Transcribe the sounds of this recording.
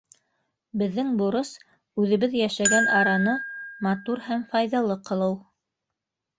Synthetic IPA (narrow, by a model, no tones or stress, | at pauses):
bɘ̆ðːɘŋbuɾɤs | ʉðɘ̆βɘðjæʃæɡænɑɾɑnɤmɑt̪uɾhæmfɑjðɑlˠɤqɤ̆lˠɤw